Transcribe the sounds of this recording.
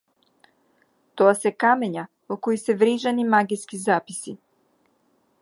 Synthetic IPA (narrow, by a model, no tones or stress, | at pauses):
t̪oasekameɲa | okojiseʋɾiʒanimaɡiskizaːpisi